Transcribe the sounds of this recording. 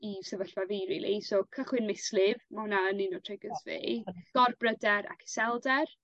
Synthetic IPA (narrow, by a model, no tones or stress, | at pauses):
isɛvəɬvaviɾḭlˠisoːkʰəχwɪnmɪslɪvmahʊnaənɪnɔtʰrɪɡəsvḛɡ̥ɔrbrədɛɾa̰kʰɪ̥sɛlˠdɛr